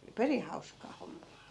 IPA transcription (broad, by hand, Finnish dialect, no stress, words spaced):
perih hɑuskɑː homːɑː